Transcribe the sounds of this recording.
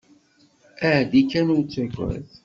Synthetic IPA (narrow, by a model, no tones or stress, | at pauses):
æʕd̪ikːænut͡sːæɡʷæ̰θ